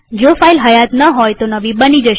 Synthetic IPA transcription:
d͡ʒofailɦəjat̪nəɦojt̪onəʋibənid͡ʒəʃ

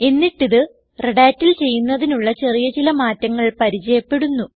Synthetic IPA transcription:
e̞nːiʈːiðɨ | reɽaːtːilt͡ɕe̞jːunːɐðinuɭːɐt͡ɕe̞rijɐt͡ɕilɐmaːtːɐŋːɐɭpɐɾit͡ɕɐjɐpːe̞ɽunːu

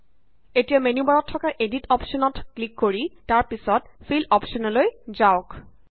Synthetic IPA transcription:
etijamenubaɹɔtʰːɔkaʔeditɔpsɔnɔtklikːoɹitaɹpisɔt̚pʰilɔpsɔnɔlojzaʊk

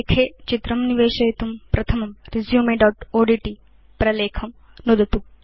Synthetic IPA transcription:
kʰeːt͡ʃit̪ɾɐmniʋeːʃɐjɐt̪umpɾɐt̪ʰɐmɐmɾizjuːmeɖɐːʈoːɖiʈi | pɾɐleːkʰɐm | nod̪ɐt̪um

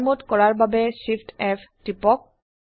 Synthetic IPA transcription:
mutkɔɹaɹbabɛsipʰtɛptipɔk̚

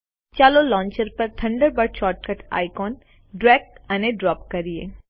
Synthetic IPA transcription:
t͡ʃaːlolɔ̃ːɲt͡ʃəɾpɐɾt̪ʰɐ̃ɳɖəɾbɐɽt͡ʃɔːʈ̚kɐʈʰa̰ːjkɔːn | ɖɾɛːk̚ɐneɖɾɔːp̚kɐɾiḛː

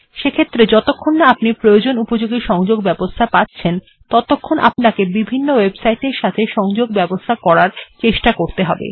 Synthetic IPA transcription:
ʃekʰet̪ːɾed͡ʑɔt̪okʰːonːaapnipɾojod͡ʑonupod͡ʑoɡiʃɔŋd͡ʑoɡbɛbost̪ʰapatːɕʰen | t̪ɔt̪okʰːonʔa̰pnakebibʱinːowebsajʈeɾʃat̪ʰeʃɔŋd͡ʑoɡbɛbost̪ʰakɔɾaɾt͡ɕeʃʈakoɾt̪eɦɔbḛ

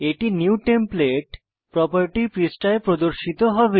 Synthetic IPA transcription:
eʈinjuwʈempleʈ | pɾɔpəɾʈipɾisʈaepɾod̪oɾʃit̪oɦɔbe

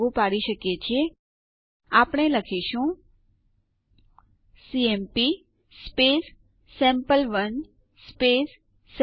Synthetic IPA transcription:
upaɽiʃəkjet͡ʃʰie | apɳ̃eləkʰiʃũ | siempi | spesː | ɛ̃mpəlʋən | spesː

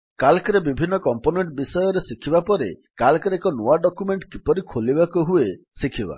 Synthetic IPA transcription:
kalkɔɾebibʱinːɔkɔmponeɳʈbisɔjɔɾesikʰibapɔɾekalkɔɾekɔnoaɖɔkumeɳʈkipɔɾikʰolibakuɦue | sikʰiba̰

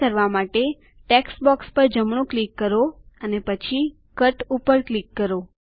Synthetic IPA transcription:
əɾʋamaʈe | ʈeksbɔkspəɾd͡ʒəmɳ̃õklikːəɾoənepət͡ʃʰi | kəʈupəɾklikːəɾo

